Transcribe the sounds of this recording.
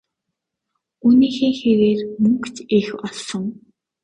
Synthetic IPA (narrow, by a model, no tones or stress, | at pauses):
uniːxeːxeɾeːrmɵŋkt͡ɕexɔɮsɞ̆ŋ